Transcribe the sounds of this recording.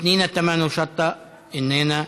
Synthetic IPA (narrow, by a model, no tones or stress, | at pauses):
niːnet̪ːæmænosɑt̪ːɑ | enːeːnæ